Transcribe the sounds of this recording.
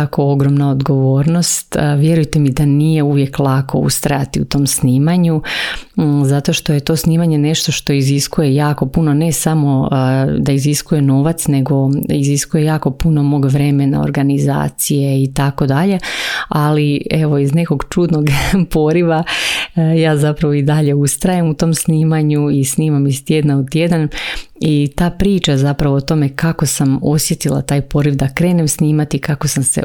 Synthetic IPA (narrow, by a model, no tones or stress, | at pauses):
akooɡɾo̞mnaod̪ɡo̞ʋo̞ːɾno̞st̪ʋje̞ɾujt̪e̞mid̪anije̞uʋje̞klˠako̞̰ṵst̪ɾajat̪iut̪o̞ːmsniːmaɲu | zat̪o̞ʃt̪o̞je̞t̪o̞sniːmaɲe̞ne̞ʃt̪oʃt̪o̞iziskujejaːko̞puno̞ne̞samo̞d̪aiziskuje̞no̞ːʋat̪sne̞ɡo̞iziskuje̞jaːko̞puno̞mo̞ːɡʋɾe̞mena̰o̰ɾɡaniza̰ːt̪sijeit̪ako̞d̪aʎe̞alie̞ʋo̞izne̞ko̞ɡt͡ʃud̪no̞ɡpo̞ɾiʋa | jaːzapɾaʋo̞id̪aʎe̞ust̪ɾajamut̪o̞ːmsniːmaɲuisniːmamist̪je̞d̪naut̪je̞d̪an | it̪aːpɾiːt͡ʃazapɾaʋoot̪o̞me̞kako̞samo̞sje̞t̪ilˠa̰t̪aːjpo̞ɾiʋd̪akɾe̞ːnemsniːmat̪ikako̞samsḛ